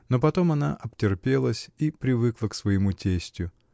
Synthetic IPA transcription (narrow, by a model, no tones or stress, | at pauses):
no̞pɐt̪o̞mɐna̰ʔɐptʲɪrpʲe̞lˠəsʲipɾʲɪvɨklˠəksvəjɪmutʲesʲtʲjʊ